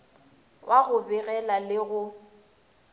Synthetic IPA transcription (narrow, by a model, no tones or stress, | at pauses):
wʔaɣʊbɪɣɛlalɪɣʊ